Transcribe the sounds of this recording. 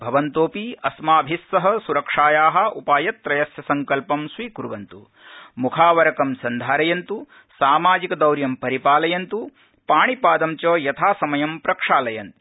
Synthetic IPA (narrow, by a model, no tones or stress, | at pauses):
bʱɐʋɐnt̪oːpiɐsmaːbʱisːɐɦɐ̆suɾɐkʂaːjaːɦɐ̆ʔupaːjɐt̪ːɾɐjɐsjɐsɐŋkɐlpɐmsʋiːkuɾʋɐnt̪ṵ | mukʰaːʋɐɾɐkɐmsɐnd̪ʱaːɾɐjɐnt̪u | saːmaːd͡ʒikɐd̪ɐwɾjɐmpɐɾipaːlɐjɐnt̪u | paːɳipaːd̪ɐmt͡ʃoːjɐt̪ʰaːsɐmɐjɐmpɾɐkʂaːlɐjɐnt̪u